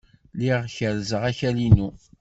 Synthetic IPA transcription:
liʁçəɾzəʁæçælinu

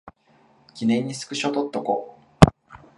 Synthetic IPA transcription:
kʲinẽ̞ɲ̟ːisɨ̥kɯ̟ɕot̪ot̪ːoko̰

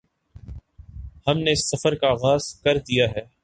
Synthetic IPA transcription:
hɐmneɪsːɐfəɾkaːɣaːz̥kɐɾd̪ijaɦɛː

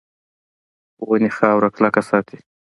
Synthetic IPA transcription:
wənexɑːwɾaklakasɑːt̪i̥

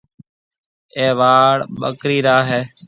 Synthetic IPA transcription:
eːʋaːɽɓə̰kɾiːɾaːɦeː

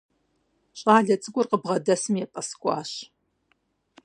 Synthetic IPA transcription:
ɕʼaːɮɐt͡sʼɨɡʷʼʊrqəbʁɐdɐsɨmjɛpʼɐskʷʼɑ̰ːɕ

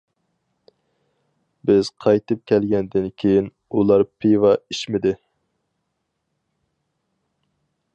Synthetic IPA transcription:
bɪz̥qʰɑjt̪ʰɨp̚kʲʰɛlɡʲɛnd̪ɪnkʲʰejin | ulˠɑɾpʰivɑiʃmɪd̪ɪ

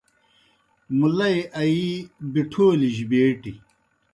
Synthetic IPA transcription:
mulɐjʔɐibiʈʰoːliʑibeːʈi

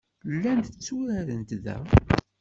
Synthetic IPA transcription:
lːænd̪ət͡sːuɾæɾənt̪ðæ̰

